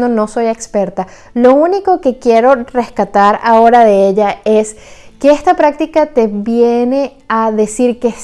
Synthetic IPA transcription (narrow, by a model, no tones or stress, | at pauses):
d̪ono̞so̞jekspe̞ɾt̪a | lo̞uniko̞ke̞kje̞ɾo̞re̞skat̪aɾao̞ɾaðe̞eʝaes | keest̪apɾak̚t̪ikat̪e̞βjene̞ | aðe̞siɾkes